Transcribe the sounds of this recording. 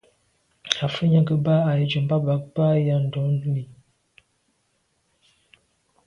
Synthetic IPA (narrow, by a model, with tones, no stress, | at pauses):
a˨fə˦ɲa˦ɡə˨ba˦a˨jə˨d͡ʒu˨m˦ba˦ba˨˦k̚ba˦ja˦n̩˨dɔ˨˦mi˨